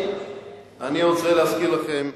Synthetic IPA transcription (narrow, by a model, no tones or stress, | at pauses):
aniʁot͡sʁeleaskilaχem